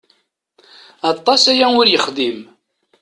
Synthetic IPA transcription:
ɑt̪ˤːɑsæjæʊɾjəχd̪im

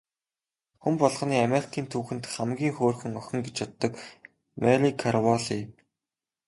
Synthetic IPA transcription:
xumpɔɮχ̆niːameɾi̥kʰiːnt̪ʰuːxɘ̆nt̪χamɡʲiːŋxoːrxɵ̆ŋœxʲɞ̆ŋɡet͡ɕjat̪ːə̆k | maɮikʰarwɔɮi

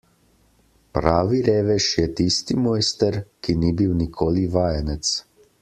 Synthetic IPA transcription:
pɾaːʋiɾeːʋɛʃjɛt̪ist̪imɔːjst̪ɛɾkiniːbiwnikʰoːliʋaːjanɛt̪s

